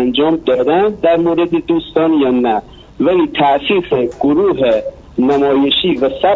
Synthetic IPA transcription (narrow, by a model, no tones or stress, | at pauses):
ɐnd͡ʒɔːmd̪ɔːd̪ɛ̃d̪ɐɾmoːɾed̪ed̪uːst̪ɔːnjaːnːa | ʋɐlit̪ʰaːsiːxeɡ̥ʊɾuːɦe | nɐmɔːjɪʃiʋɐsɐ